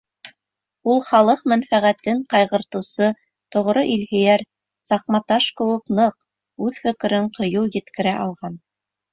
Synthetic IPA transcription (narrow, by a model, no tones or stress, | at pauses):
ulˠχɑlˠɤq̚mænfæʁæt̪ɘɴqɑjʁɤ̆ɾt̪ɤ̆wsɤ | t̪ŏʁɾɤʔilhijæɾ | sɑq̚mɑt̪ɑʃkɘ̆wɘ̆knɤq | ʉðfɘ̆kɘ̆ɾɘɴqŏjɤwjɘ̆t̪kɘ̆ɾæʔɑlˠʁɑn